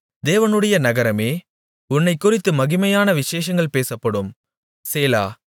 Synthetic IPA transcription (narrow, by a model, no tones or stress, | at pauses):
d̪eːʋɐnɯɽɐjɐnɐɣɐɾɐmeː | ʊnːɐɪkːʊrɪt̪ːɯmɐɣɪmɐjaːnɐʋɪʃeːʂɐŋɡɐɭpeːsɐpːɐɽɯm | seːla̰ː